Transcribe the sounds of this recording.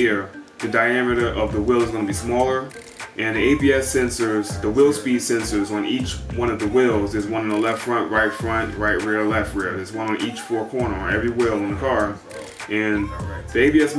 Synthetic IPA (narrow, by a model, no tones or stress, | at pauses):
ɪɹðɨdaɪæmɨɾɨʔʌvðəwɪlˠəzɡʌnɨbismɔlˠə˞ | ʔɨ̃nðieɪbiɛsɛ̃nsə˞zðəwɪlˠspid̥sɛ̃nsə˞zn̩it͡ʃwʌ̃ñʌvðəwɪlˠzɨzwʌ̃nɨ̃n̩ðəlɛftfɹʌ̃nʔɹaɪtfɹʌ̃nʔɹaɪʔ̚ɹɪɹlɛft̚ɹɪɹðə˞zwʌ̃ñnʔit͡ʃfɔɹkʰɔɹnə˞əɛvɹiwɪlˠə̃n̩ðəkʰɑɹ | ʔɨ̃nðieɪbiɛs